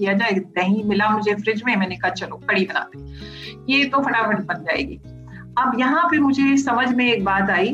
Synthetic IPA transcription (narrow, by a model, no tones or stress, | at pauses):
kijad͡ʒaːeɡnɐɦĩmɪlamʊd͡ʒʱefɾɪd͡ʒmẽmɛ̃ːnekaɦat͡ʃɐloːkɐɽibɐna̰ːt̪eɦɛ̃jet̪ofɐʈafʰɐʈbɐnd͡ʒaːḛːɡḭː | ɐbjɐɦãpemʊd͡ʒʱesɐməd͡ʒʱmẽːkbaːt̪aːiː